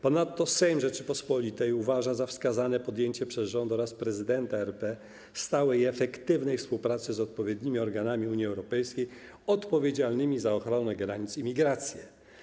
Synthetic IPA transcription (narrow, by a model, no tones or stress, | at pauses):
pɔnat̪ːɔsɛjmʐɛt͡ʂɘpɔspɔlʲit̪ɛjuvaʐazafskazanɛpɔd̪jeɲt͡ɕɛpʂɛzʐɔnd̪ɔɾaspɾɛzɘd̪ɛnt̪aɛɾpɛ | st̪awɛjɛfɛkt̪ɘvnɛjfspuwpɾat̪sɘzɔt̪̚pɔvʲjed̪ɲimʲiɔɾɡanamʲiuɲjiɛwɾɔpɛjskʲej | ɔt̪pɔvʲjed͡ʑalnɘmʲizaɔxɾɔnɛɡɾaɲit̪simʲiɡɾat̪sʲjɛ